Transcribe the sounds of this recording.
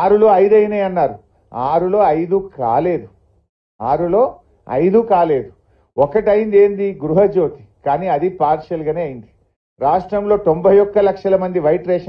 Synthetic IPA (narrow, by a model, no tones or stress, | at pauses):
aːɾulo̞ːɐjd̪ɐjɐnɐjɐnːaːɾu | aːɾulo̞ːɐjd̪uka̰ːle̞ːd̪u | aːɾulo̞ː | ɐ̰jd̪ukaːle̞ːd̪u | ɔkɐʈɐjimd̪e̞ːnd̪iɡɾuɦɐd͡ʒo̞ːt̪i̥kaːniːɐd̪ipaːɾʃɐlɡaːneːɐjind̪i | ɾaːʂʈɾɐmlo̞ːt̪o̞mbʱɐjɔkːɐlɐkʂɐlɐmɐnd̪iʋɐjʈɾeːʂ